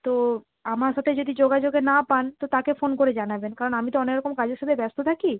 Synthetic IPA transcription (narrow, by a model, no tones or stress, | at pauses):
t̪o | amaɾʃat̪ʰed͡ʑod̪id͡ʑoɡad͡ʑoɡenapant̪ot̪akefonkoɾed͡ʑanabenkaɾonamit̪oɔnekɾɔkomkad͡ʑeɾʃat̪ʰebɛst̪ot̪ʰaki